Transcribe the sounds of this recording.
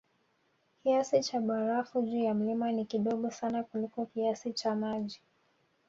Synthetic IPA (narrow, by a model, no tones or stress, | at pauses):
kiasit͡ʃaɓaɾafud͡ʒujam̩limanikiɗɔɠɔsanakulikɔkiasit͡ʃamaʄi